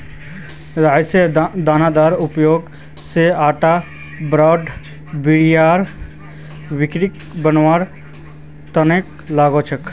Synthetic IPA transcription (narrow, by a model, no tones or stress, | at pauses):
ɾaːjsed̪aːnad̪aːɾʊpjoːɡ | seaːʈa | bɾɔːɖ | biijaːɾ | bɪkɾik | bənʋaːɾ | t̪əneːk̚ | laːɡot͡ʃʰək